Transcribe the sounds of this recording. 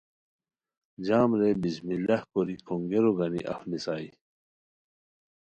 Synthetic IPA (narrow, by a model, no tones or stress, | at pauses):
d͡ʑaːmɾebismilɐhkoɾikʰoŋɡeɾoɡɐnḭʔɐ̰fnisaːi